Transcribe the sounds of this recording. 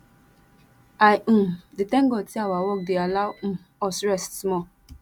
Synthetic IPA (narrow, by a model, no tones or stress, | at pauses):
aj̩ditɛ̃ŋɡɔtiawawɔk̚dealawm̩ | ɔsɾɛssmɔ